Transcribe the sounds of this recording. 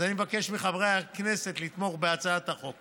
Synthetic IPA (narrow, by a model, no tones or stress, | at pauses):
animbake̞ʃmiχavʁeakne̞se̞t̪lit̪mo̞χbeat͡saat̪aχo̞k